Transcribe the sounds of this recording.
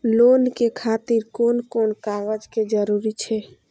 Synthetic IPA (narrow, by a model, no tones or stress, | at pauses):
lonkekʰat̪iɾkonkonkaʋəd͡ʒked͡ʒəɾuɾit͡ʃʰɛ